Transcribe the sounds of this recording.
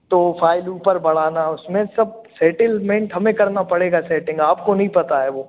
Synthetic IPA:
t̪oːfʰaːɪluːpəɾbɐɽ̤aːnaʊsmẽsɐb̚sɛːʈɪlmẽːɳʈɦɐmẽkɐɾnapɐɽeːɡasɛːʈɪ̃ŋɡaːp̚konɐɦĩpɐt̪aɦɛːʋoː

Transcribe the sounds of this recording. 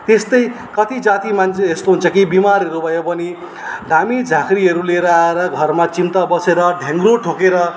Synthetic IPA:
t̪est̪ʌj | kʌt̪id͡zat̪imant͡sʰeest̪oɦunt͡sʰʌkibimaɾʌɾubʱʌjopʌni | ɖʱamid͡zʱãkɾiɦʌɾuleɾaaɾʌɡʱʌrmat͡sint̪abʌseɾʌɖʱeŋɡɾoʈʰokeɾʌ

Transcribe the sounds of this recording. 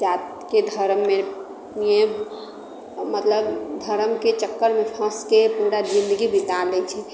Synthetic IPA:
d͡ʒat̪ | ked̪ʱəɾmːe | mie | mət̪ləbd̪ʱəɾəmket͡ʃəkːəɾmepʰəskepuɾad͡ʒĩnd̪əɡibit̪alɛt͡ʃʰɛ

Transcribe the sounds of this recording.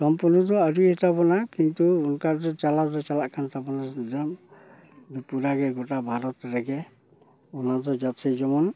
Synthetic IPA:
sɔmpuɾnɔdɔaɾuhisabɔnakint̪uːnkazɔt͡ʃalazɔt͡ʃalaʔkʰantabɔnadɛm | bipuɾaɡɛɡɔtabʱaɾɔt̪ɾɛɡɛ | ɔnazɔd͡ʒatsʰɛd͡ʒɔmɔn

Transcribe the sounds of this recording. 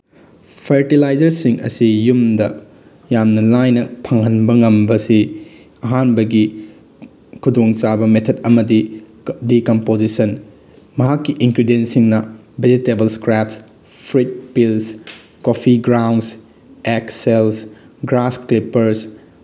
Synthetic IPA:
pʰeɾtilajd͡ʒɐɾsiŋɐ̰sijumdɐ | jamnɐlajnɐpʰɐŋɐnbɐŋɐmbɐsi | ɐɦanbɐɡi | kʰudoŋt͡ʃabɐmet̪ʰɐdɐmɐdi | dikɐmpozisɐn | mɐɦakːiʔiŋkɾidensiŋnɐ | bed͡ʒitebɐlskɾaps | pʰɾit̚pils | kopʰiɡɾawns | eksels | ɡɾasklipɐɾs

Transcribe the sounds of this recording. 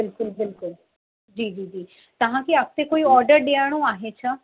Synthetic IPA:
bɪlkʊɪlbɪlkʊl | d͡ʒiːd͡ʒiːd͡ʒiː | t̪ɐɦãːkiak̚ʰt̪ekoːiɔːɾɖəɾɖeaːɽ̃õaːɦet͡ʃʰa

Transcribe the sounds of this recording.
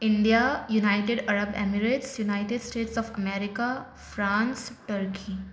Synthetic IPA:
ɪ̃ɳɖijajunaɪʈeɖɐɾəbḛmiɾeʈsjunaɪʈeɖsʈeːʈsɔːfɐmeːɾɪka | fɾãːnsʈəɾki

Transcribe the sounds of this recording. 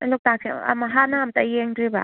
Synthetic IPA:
lɔk̚tasʰḭa̰maɦanamtajeŋdɾiba̰

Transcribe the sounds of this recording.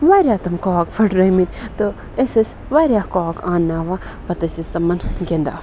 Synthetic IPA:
ʋaːɾʲjaːt̪ɐmkoːkpʰɐʈɾɐmit̪ʲt̪o | esɐsʲ | ʋaːɾʲjaːkoːkaːnːaːʋapɐt̪ɐsist̪ɐmɐnɡʲend̪a̰ː

